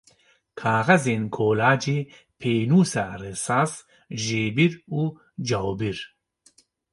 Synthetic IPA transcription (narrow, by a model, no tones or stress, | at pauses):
kʰaːɣɐzeːnkʰoːlaːd͡ʒeː | pʰeːnuːsaresaːs | ʒeːbiɾuː | d͡ʒawbiɾ